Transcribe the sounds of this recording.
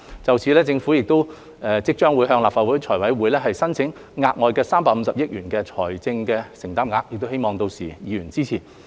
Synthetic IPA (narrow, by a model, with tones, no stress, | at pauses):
t͡sɐ˨wt͡sʰiː˨lɛː˥t͡sɪ˧ŋfuː˨˥jɪ˨k̚t̪o˥w | ɛ˨˧t͡sɪ˥k̚t͡ʃœː˥ŋwuː˨˧jɦœː˧ŋlaː˨p̚faː˨t̚wuː˨˥jt͡ʃʰɔː˨˩jwɐ˨˥jwuː˨˥jlɛː˥ɦɐ˨jsɐ˥nt͡sʰɪ˨˥ŋ | ŋaː˧t̚ŋɔː˨˧jkɛː˧saː˥mpaː˧k̚m̩˧sɐ˨p̚jɪ˥k̚jyː˨˩nkɛː˧t͡ʃʰɔː˨˩jt͡sɪ˧ŋkɛ˧sɪ˨˩ŋt̪aː˥mŋaː˧k̚jɪ˨k̚t̪o˥whe˥jmɔː˨ŋt̪o˧wsiː˨˩jiː˨˧ɥyː˨˩nt͡siː˥t͡sʰiː˨˩